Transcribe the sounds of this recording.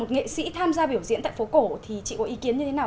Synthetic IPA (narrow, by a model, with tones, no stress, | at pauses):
o˨˩t̚ŋḛ˧˨sḭ˧˥t̪ʰaː˧mzaː˧ɓi˧˩əwzḭ˧˥nt̪a̰ː˧˨fo˨˦ko˧˩t̪ʰi˨˩t͡ɕḭ˧˨kɔ˨˦ʔi˨˦ki˨˦ənɲɨ˧t̪ʰe˨˦naː˨˩